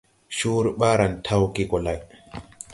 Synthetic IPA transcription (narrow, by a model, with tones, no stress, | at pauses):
ʃuː˦ɾɓaː˦ɾa˨ntʰa˦wki˦kɔ˨la˨j